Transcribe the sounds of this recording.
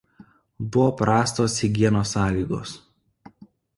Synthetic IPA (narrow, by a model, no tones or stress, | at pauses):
bʊʋoːpɾɑːst̪oːsɪɡʲiɛnoːsɑːlʲiːɡo̰ːs